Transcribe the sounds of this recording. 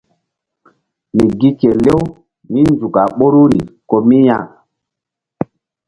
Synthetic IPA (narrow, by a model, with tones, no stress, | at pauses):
mi˨ɡi˦ke˨le˦w | mi˦nzu˨ka˨ɓo˦ɾu˦ɾi˨ko˨mi˦ja˦˨